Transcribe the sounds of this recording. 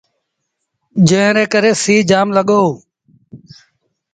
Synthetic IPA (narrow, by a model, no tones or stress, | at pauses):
d͡ʒə̃ːɾeːkəɾeːsiːd͡ʒaːmləɠoː